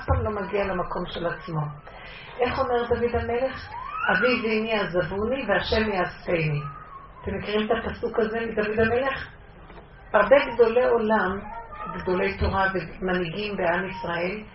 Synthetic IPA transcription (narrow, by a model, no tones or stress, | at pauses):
afpamlo̞maɡialamako̞mʃe̞lat͡smo̞ | ʔe̞χo̞me̞ʁd̪avid̪hame̞le̞χaviviniazavuniveaʃe̞mjeastejniat̪emːekiʁimet̪apasukaze̞mid̪avid̪ame̞le̞χ | haʁbe̞ɡd̪o̞le̞o̞lamɡd̪o̞le̞jt̪o̞ʁavemaniɡimbeamisʁae̞l